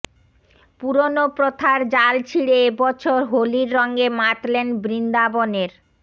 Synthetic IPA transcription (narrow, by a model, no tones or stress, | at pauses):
puɾonopɾot̪ʰaɾd͡ʑalt͡ɕʰiɽeebɔt͡ɕʰoɾɦoliɾːɔŋɡemaʈlenbɾind̪aboneɾ